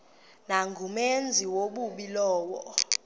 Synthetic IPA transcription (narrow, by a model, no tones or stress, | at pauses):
naŋɡʱumend͡zʱiwoɓuɓilɔːwɔ̰